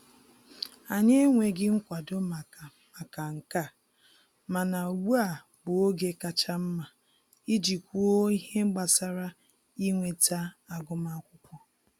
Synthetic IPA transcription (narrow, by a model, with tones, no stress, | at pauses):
a˨ɲe˦ŋʷe˨ɡɪ˦ŋ̩˦kʷa˨dʊ˦ma˨ | ma˨ka˨ŋ̩˨ka˦˨ | ma˨na˨wu˦a˨ | bʊ˨o˦ɡe˦ka˦t͡ʃa˦m̩˦ma˨ | i˦d͡ʒi˨kʷu˦o˦i˦ɦe˦ŋ͡m̩˦ɡ͡ba˨sa˦ɾa˦ | i˦ŋʷe˨ta˦a˨ɡʊ˦ma˦kʷʊ˦kʷɔ˦